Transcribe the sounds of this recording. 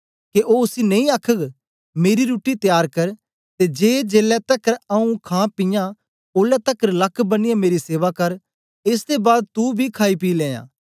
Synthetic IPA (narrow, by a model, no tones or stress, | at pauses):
keʔoːʊsinɐ̃ĩaːkʰəɡ | meːɾiɾuːʈit̪ɪjaːɾkɐɾ | t̪ed͡ʒeːd͡ʒeːlɛt̪ɐkːəɾɐũkʰãːpɪjã | oːlɛt̪əkːəɾlɐkʰbɐnɪjãmeːɾiseːʋakɐɾ | ɪsd̪ebaːd̪̚t̪ubʱikʰaːipiːlẽːjã̰ː